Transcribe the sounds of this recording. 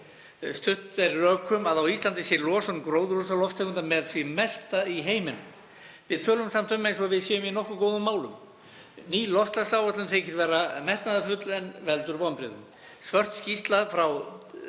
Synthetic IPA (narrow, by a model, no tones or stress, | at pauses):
st̪ʏht̪ɛɾrœːkʰːʏmaðawist̪lant̪ɪsjɛlɔːsɔnkɾoːwðʏɾusalɔft̪ʰɛkʏnamɛðθvimɛst̪aiɦeːjmɪnʏ | vɪðt̪ʰœːlʏmsam̥t̪ʰʏmːejnsɔvɪðsjɛːjʏminɔhkʏkoːwðʏmːaːwlʏm | niːlɔft̪laslaːwœt̪lʏmt̪θʰeːjcɪ̥t̪vɛːɾamɛht̪naðafʏt̪lɛnvɛlt̪ʏɾpawnpɾɪːðʏ̰m | svœr̥t̪scist̪laðfɾaw